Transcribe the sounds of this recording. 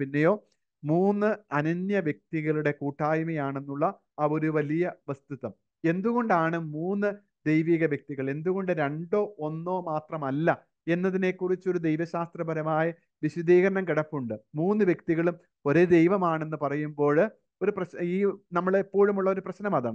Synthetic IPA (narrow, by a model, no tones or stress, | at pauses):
pinːe̞jo̞ː | muːnːɨɐnɐnjɐʋjɐk̚t̪iɣɐɭuɽe̞kuːʈʰːaːjmɐjaːɳe̞nːuɭːɐː | o̞ɾuʋɐlijɐʋɐst̪uðɐm | e̞nd̪uɣo̞ɳɖaːɳɨmuːnːɨ | d̪ejʋiːɣɐʋjɐk̚t̪iɣɐɭe̞nd̪uɣo̞ɳɖɨɾe̞ɳɖo̞ːonːo̞ːmaːt̪rɐmɐlːɐ | e̞nːɐðine̞kːurit͡ɕːo̞ɾud̪ejʋɐɕaːst̪rɐbɐɾɐmaːjɐ | ʋiɕɐd̪iːɣɐɾɐnɐmkiɽɐpːuɳɖɨmuːnːɨʋjɐkt̪iɣɐɭum | o̞ɾed̪e̞jʋɐmaːɳe̞nːɨpɐrɐjumbo̞ːɭ | o̞ɾuprɐɕiːnɐmːɐɭepːoːɻumuɭːɐo̞ɾuprɐɕnɐmɐðaːɳɨ